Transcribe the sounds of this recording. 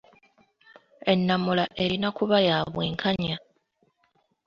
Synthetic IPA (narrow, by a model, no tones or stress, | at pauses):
e̞nːamulaʔe̞ɾinakuβajaːβwe̞ːŋkʰaɲa